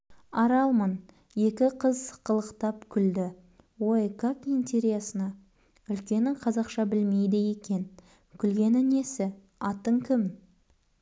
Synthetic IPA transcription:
ɑɾɑlˠmən | je̞kʲɪqʰəzqʰəlˠəqt̪ɑpkʲʰʏld̪ɪ | wo̞jkakint̪ʲe̞ɾijasənɑ | ʏlkʲe̞nɪŋqʰɑzɑqʃɑbɪlme̞jd̪ɪje̞kʲe̞n | kʲʰʏlɡʲe̞nɪne̞sɪ | ɑt̪əŋkʲʰɪm

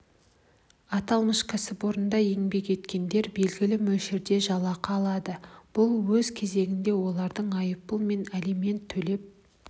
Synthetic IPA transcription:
ɑt̪ɑlˠməʃkʲʰasɪboɾənd̪ɑje̞ŋbe̞ke̞t̪kʲe̞nd̪e̞ɾbe̞lɡʲɪlɪmɵlʃɪɾd̪e̞ʒɑlˠɑqɑːlˠɑd̪əb̥ʊlˠwɵzkʲʰe̞ze̞ɡʲɪnd̪e̞wo̞lˠɑɾd̪əɴɑjəp̚ːəlˠme̞næleme̞nt̪ʰːɵle̞p̚

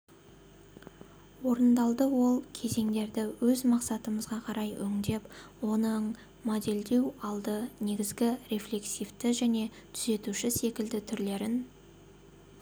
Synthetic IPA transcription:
wo̞ɾənd̪ɑlˠd̪əwo̞lˠkʲʰe̞ze̞ŋd̪e̞ɾd̪ɪwɵzmɑqsɑt̪əməzʁɑqʰɑɾɑjɵ̰ŋd̪e̞pwo̞nəɴ | mod̪e̞ld̪e̞wɑlˠd̪əne̞ɡʲɪzɡʲɪɾe̞flʲe̞ksijft̪ɪʒæne̞t̪ʰʏze̞t̪uʃɪse̞kʲɪld̪ɪt̪ʰʏɾle̞ɾɪn

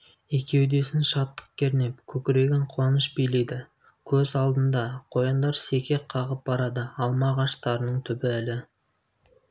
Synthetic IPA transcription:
e̞kʲe̞wd̪e̞sɪnʃɑt̪ːə̥q̚kʲʰe̞ɾne̞pkʲʰɵkʲɪɾe̞ɡʲɪɴqʰʊwɑnəʃbijle̞jd̪ɪ | kʲʰɵzɑlˠd̪ənd̪ɑqʰo̞jɑnd̪ɑɾse̞kʲʰe̞qʰɑʁəp̚bɑɾɑd̪əɑlˠmɑʁɑʃt̪ɑɾənəɴt̪ʰʏbɪælɪ

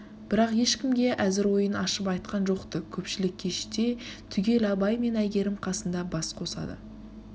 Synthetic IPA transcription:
b̥ɪɾɑqje̞ʃkʲɪmɡʲe̞ʔæzɪɾwo̞jənɑʃəpɑjt̪̚qɑnʒo̞qt̪əkʲʰɵpʃɪlɪkʲʰːe̞ʃɪ̥t̪e̞t̪ʰʏɡʲe̞lɑbɑjme̞næjɡʲe̞ɾɪmqʰɑsənd̪ɑbɑsqʰo̞sɑ̰d̪ə̰

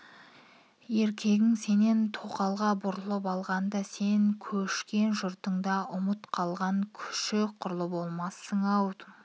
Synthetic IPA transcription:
je̞ɾkʲʰe̞ɡʲɪŋse̞nent̪ʰo̞qɑlˠʁɑbʊɾəlˠəpɑlˠʁɑnd̪ɑse̞ŋkʲʰɵʃkʲe̞nʒʊɾt̪əɴd̪ɑʊmət̪qʰɑlˠʁɑŋkʲʰʏ̥ʃɪqʰʊɾlˠəbolˠmɑsəɴɑwd̪

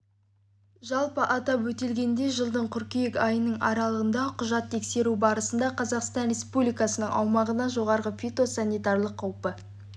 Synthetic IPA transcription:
ʒɑlˠpəʔɑt̪ɑpwɵt̪e̞lɡʲe̞nd̪e̞ʒəlˠd̪əɴqʰʏɾkʲijekɑjənəɴɑ̰ɾɑlˠəʁənd̪ɑqʰʊʒɑt̪ʰːe̞kse̞ɾubɑɾəsənd̪ɑqʰɑzɑqst̪ɑnɾʲe̞spublijkɑsənəɴɑ̰wmɑʁənɑʒo̞ʁɑɾʁəfʲit̪o̞sanʲːijt̪ɑrlˠəqʰːɑwpə

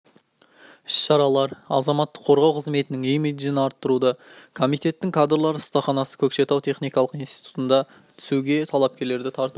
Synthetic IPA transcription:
ɪsʃɑɾɑlˠɑɾɑ̰zɑmɑt̪ːəqʰːoɾʁɑwqʰəzme̞t̪ɪnɪŋejmed̪ijɪnɑɾt̪ːəɾud̪ɑkʰo̞mijt̪e̞t̪ːɪŋkʰad̪rlˠɑɾəʊst̪ɑχɑnɑsə̥kʲʰɵkʃe̞t̪ɑwt̪ʰe̞χnijkɑlˠəqijnst̪i̥jt̪u̥t̪ənd̪ɑ | t̪ʰʏ̥suɡʲe̞t̪ʰɑlˠɑp̚kʲe̞ɾle̞ɾd̪ɪt̪ʰɑɾt̪u

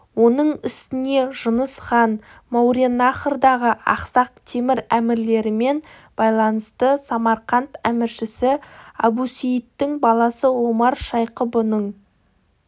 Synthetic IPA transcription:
wo̞nəɴʏst̪ɪne̞ʒʊnəsχɑn | mɑwɾenɑχəɾd̪ɑʁəʔɑ̰qsɑq̚t̪ʰe̞mɪɾæmɪɾle̞ɾɪme̞n | b̥ɑjlˠɑnəst̪əsɑmɑɾqɑnt̪æmɪɾʃɪsɪɑ̰busejɪt̪ːɪŋbɑlˠɑsəwo̞mɑɾʃɑjqəbʊnəɴ

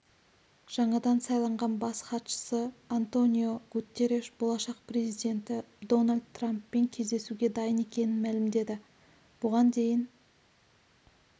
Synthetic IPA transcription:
ʒ̥ɑɴɑd̪ɑnsɑjlˠɑɴʁɑnbɑsχɑt̪ʃə̥səant̪o̞nʲijo̞ɡut̪ʲːe̞ɾeʃbo̞lˠɑʃɑq̚pre̞zijd̪ʲe̞nt̪ɪd̪o̞nalʲd̪t̪ːrampːe̞ŋkʲʰe̞zd̪e̞suɡʲe̞d̪ɑjəne̞kʲe̞nɪnmælɪmd̪e̞d̪ɪ | b̥ʊʁɑnd̪e̞jɪn

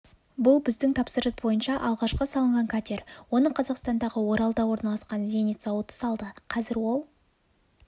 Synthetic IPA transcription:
bʊlˠbɪzd̪ɪŋt̪ʰɑpsəɾət̪̚bo̞jənʃɑʔɑlˠʁɑʃqəsɑlˠəɴʁɑŋkʰat̪ʲeɾwo̞nəɴqʰɑzɑqst̪ɑnd̪ɑʁəwo̞ɾɑlˠd̪ɑwo̞ɾnɑlˠɑsqɑnze̞net̪sɑwət̪ə̥sɑlˠd̪əqʰɑzɪɾwo̞lˠ

